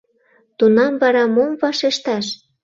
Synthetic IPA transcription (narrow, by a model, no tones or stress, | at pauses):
t̪unɑmvɑɾɑmomvɑʃeʃt̪ɑʃ